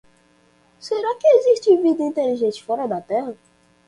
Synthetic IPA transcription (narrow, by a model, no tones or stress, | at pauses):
seɾakɪeziʃt͡ʃivid̪ɐĩnt̪eliʒẽt͡ʃɪ̥fɔɾɐd̪ɐt̪ɛɦɐ